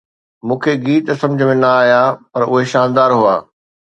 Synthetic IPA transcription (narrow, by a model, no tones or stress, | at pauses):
mũːkʰeɡiːt̪sɐ̃md͡ʑʱəmẽnɐaːjapɐɾʊɦeʃaːnd̪aːɾɦuaː